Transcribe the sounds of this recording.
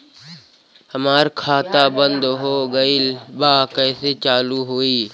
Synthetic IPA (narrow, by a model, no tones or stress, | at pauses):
həmaːɾkʰaːt̪abə̃nd̪ɦoːɡəilbaːkəːset͡ʃaːluɦoːiː